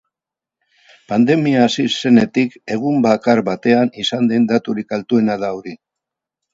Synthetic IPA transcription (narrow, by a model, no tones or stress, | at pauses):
pand̪e̞miaːsise̞ne̞t̪ike̞ɣ̞umbakaɾβat̪e̞anisand̪e̞nd̪at̪uɾikalt̪ue̞naðauɾi